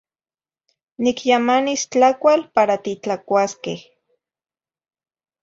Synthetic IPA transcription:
nikjamanist͡ɬakʷalpaɾat̪it͡ɬakʷaskeh

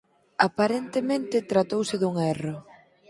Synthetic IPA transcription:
apaɾent̪emẽnt̪ɪt̪ɾat̪owsɪðuŋɛro

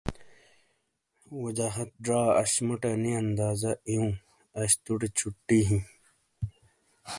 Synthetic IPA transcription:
wɐd͡ʑaːɦɐt̪̚ɖɾaːɐ̰ɕmɐʈɐniɐnd̪aːzɐijũː | ɐɕt̪uʈet͡ɕʰuʈːiɦĩ

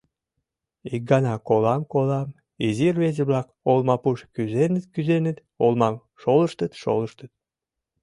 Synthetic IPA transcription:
ik̚ɡɑnɑkolɑmkolɑm | izirβezə̆βlɑk | olmɑpuʃkyzenət̪kyzenə̆t̪ | olmɑm | ʃoləʃt̪ət̪ʃo̰ləʃt̪ət̪̚

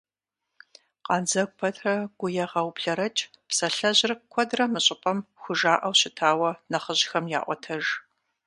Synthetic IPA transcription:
qɑnd͡zɐɡ̚ʷpʰɐtʰrɐɡ̥ʷʊjɛʁɐwpɬɐɾɐt͡ʃʼ | psɐɬɐʑrɨkʷʰɔdrɐmɨɕʼɪpʼɐmxʷʊʒaːʔɐwɕɪtʰaːwɐnɐχəʑxɐmja̰ːʔʷɔ̰tʰɐʒ

